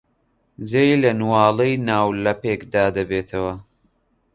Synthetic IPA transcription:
zejlɐnwɑːlejnaːwlɐpeːkd̪aːd̪ɐbeːt̪ʰɐwɐ

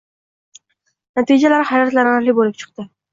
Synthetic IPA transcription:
nat̪ʰid͡ʒalaɾɪhajɒt̪laɾaɾlɪbolɪp̚t͡ʃʰɨ̥q̚t̪ɪ

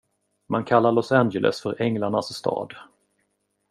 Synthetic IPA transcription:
mankʰalːaɾɭɔsænd͡ʒɛlʔɛ̰sfœɾʔɛŋlaɳasːt̪ʰɑ̰ːd̪

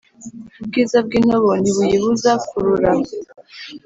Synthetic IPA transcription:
βub̚ɡizab̚ɡinoβoniβujiβuzakuɾuɾa

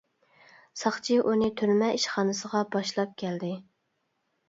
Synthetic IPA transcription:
sɑχt͡ʃʰiʔunɪt̪ʰyɾmɛiʃχɑnɨsəʁɑbɑʃlˠɑp̚kʲʰɛld̪ɪ

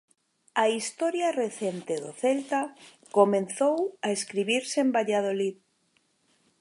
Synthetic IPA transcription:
ɐist̪ɔɾjareθent̪eðʊ̰θelt̪a | komẽnθowaeskɾiβiɾseembaʎað̞olið

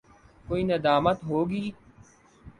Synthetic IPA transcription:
koːiːnəd̪aːmət̪ɦoːɡiː

